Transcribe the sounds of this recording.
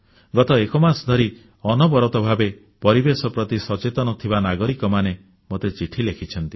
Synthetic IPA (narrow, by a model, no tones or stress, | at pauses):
ɡɔt̪ɔekɔmasɔd̪ʱɔɾi | ɔnɔbɔɾɔt̪ɔbʱabe | pɔɾibesɔpɾɔt̪isɔt͡ʃet̪ɔnɔt̪ʰibanaɡɔɾikɔmane | mot̪et͡ʃiʈʰilekʰit͡ʃʰɔnt̪i